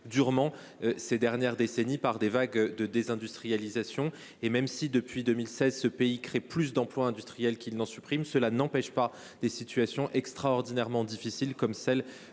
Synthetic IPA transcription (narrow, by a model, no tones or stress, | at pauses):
d̪yʁmɑ̃ | sed̪ɛʁnjɛʁd̪esenipaʁd̪evaɡd̪əd̪ezɛ̃d̪yst̪χijalizasjɔ̃ | emɛmsid̪əpɥid̪ømilsɛzsəpeikχeplys̬d̪ɑ̃plwaɛ̃d̪yst̪χijɛlkʲilnɑ̃sypχimsəlanɑ̃pɛʃpa | d̪̥esit̪yasjɔ̃ʔɛkst̪χaɔʁd̪inɛʁmɑ̃d̪ifisilkɔmsɛl